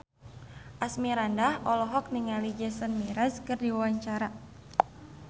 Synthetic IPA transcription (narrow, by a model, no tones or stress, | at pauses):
ʔasmiɾandahɔlɔɦɔk̚niŋalid͡ʒəsənmiɾaskɨrdiwawaɲt͡ʃaɾa